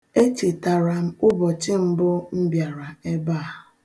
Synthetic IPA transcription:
e˦t͡ʃe˨ta˨ɾa˨m̩˦ʊ˦bɔ˨t͡ʃɪ˦m̩˦bʊ˦m̩˦bja˨ɾa˨e˦baː˦˨

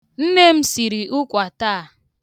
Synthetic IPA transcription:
n̩˦ne˦m̩˦si˨ɾi˨ʔʊ˦kʷa˨ta˦a˨

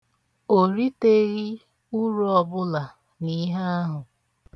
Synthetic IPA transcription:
o˨ɾi˦te˦ɣi˦ | ʊ˦ɾɔ˦bʊ˦la˨ | ni˦ɦa˦a˦ɦʊ˨

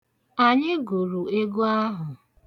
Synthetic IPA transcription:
a˨ɲɪ˦ɡu˨ɾu˨e˦ɡu˦a˦ɦʊ˨

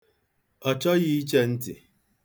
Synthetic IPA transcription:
ɔ˨t͡ʃɔ˦ɣi˦i˦t͡ʃe˦n̩˦tɪ̰˨

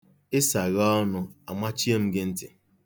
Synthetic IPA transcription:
ɪ˦sa˨ɣɔ˦nʊ˨a˨ma˦t͡ʃi˦e˦m̩˦ɡɪ˦n̩˦tɪ˨

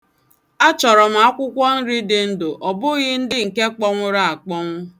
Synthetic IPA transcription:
a˦t͡ʃɔ˨ɾɔ˨m̩˨a˦kʷʊ˦kʷɔ˦n̩˦ɾi˦dɪ˨n̩˦dʊ˨ʔɔ˨bʊ˦ɣɪ˦n̩˦dɪ˦ŋ̩˨ke˦k͡pɔ˦ŋʷʊ˦ɾa˦a˨k͡pɔ˦ŋʷʊ˦

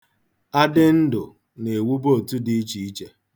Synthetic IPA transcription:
a˦dɪ˦n̩˦dʊ˨ | ne˨wu˦bo˦˨tu˦dɪ˦i˦t͡ʃi˨i˦t͡ʃe˦

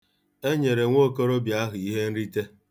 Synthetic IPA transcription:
e˦ɲe˨ɾe˨ŋʷo˦˨ko˦ɾo˦bja˦ɦʊ˨i˦ɦe˦n̩˦ɾi˦te˦

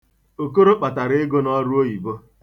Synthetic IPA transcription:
o˨ko˦ɾo˦k͡pa˨ta˨ɾɪ˦ɪ˦ɡo˦nɔ˦ɾu˦o˦i˨bo˦

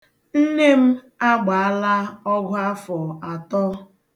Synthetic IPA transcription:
n̩˦ne˦m̩˦ | a˦ɡ͡ba˨a˦la˦ɔ˦ɡʷʊ˦a˦fɔ˨a˨tɔ˦

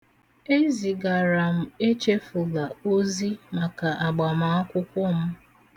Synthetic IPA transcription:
e˦zi˨ɡa˨ɾa˨m̩˨e˦t͡ʃe˦fʊ˨la˨o˦zi˦ma˨ka˨ʔa˨ɡ͡ba˨ma˨˦a˦kʷʊ˦kʷʊ˦m̩˦

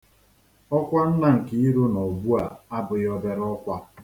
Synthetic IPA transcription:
ɔ˦kʷa˦n̩˦na˨ŋ̩˨ki˦i˦ɾu˦no˨bu˦a̰˨a˦bʊ˨jɔ˦be˦ɾɔ˦kʷa˦

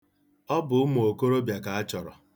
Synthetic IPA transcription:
ɔ˦bʊ˨ʊ˦mo˨ko˦ɾo˦bja˨ka˨a˦t͡ʃɔ˨ɾɔ̰˨

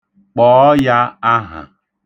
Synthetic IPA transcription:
k͡pɔː˨˦ja˦a˦ɦa̰˨

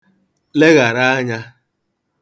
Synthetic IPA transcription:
le˦ɣa˨ɾa˦a˦ɲa˦

